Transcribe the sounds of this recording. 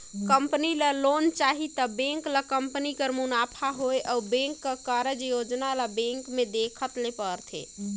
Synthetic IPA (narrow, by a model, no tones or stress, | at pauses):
kəmpəniləlont͡ʃaɦit̪əbẽŋkləkəmpnikəɾmunapʰaɦojʔaubẽŋkːəkəɾəd͡ʒjod͡ʒnaləbẽŋkmed̪ekʰət̪lepəɾt̪ʰḛ